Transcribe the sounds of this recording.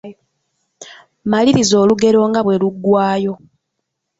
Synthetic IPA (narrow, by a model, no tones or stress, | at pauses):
maliɾizo̞ːluɡe̞ɾo̞ːŋɡaβwe̞luɡːwaːjo̞